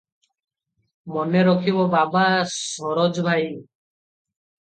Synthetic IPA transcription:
mɔneɾɔkʰibɔbabasɔɾod͡ʒbʱaj

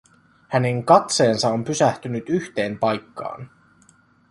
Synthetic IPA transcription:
hæne̞ŋkɑt̪se̞ːnsɑo̞mpysæht̪ynyt̪yçt̪e̞ːmpɑjkːɑ̰ːn

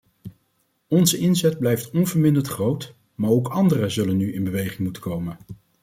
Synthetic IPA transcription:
ɔnzəɪnzɛd̚blɛjftɔnvəɹmɪndəntχrowt | maːɹowkɑndərəzɵlənːyɪnbəʋejχɪŋmutə̥kowmən

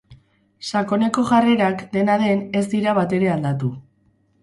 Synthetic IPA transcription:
sako̞ne̞ko̞ʝare̞ɾakd̪e̞naðe̞ne̞zd̪iɾaβ̞at̪e̞ɾe̞and̪at̪u

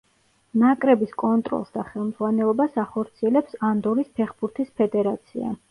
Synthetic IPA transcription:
nakʼɾɛbiskʼɔnt̪ʼɾɔ̰lˠsd̪aχɛlˠmdz̥ʁwanɛlˠɔbasaχɔɾt̪sʰiɛlɛpsand̪ɔɾispʰɛχbuɾt̪ʰispʰɛd̪ɛɾat̪sʰḭa̰

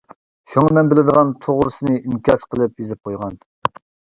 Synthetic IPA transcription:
ʃuŋɨmɛnbɪlɪd̪əʁɑnt̪ʰoʁɾɨsɨnɨimkʲɑsqʰəlˠɨpjezɪp̚qʰojʁɑn

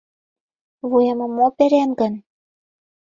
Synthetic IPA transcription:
βujĕmɤ̆mːopeɾemɡə̆n

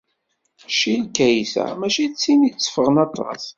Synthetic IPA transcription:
ʃilkːæjsæ̰mæʃit͡sːinit͡sːə̥fəʁənɑt̪ˤːɑ̰s

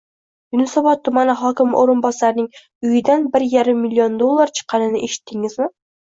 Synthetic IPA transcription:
jʊnɪsɒbɒt̪ːʊmanɪɦɒkʲɪmʔoɾɪnbɒsaɾnɪŋ | ʊjɪd̪anbɪɾjaɾɪmːilʲːiond̪olˠːaɾt͡ʃʰɨ̥qʰːɑnɪnɪʔeʃɪ̥t̪ʰːɪŋɪzmɪ

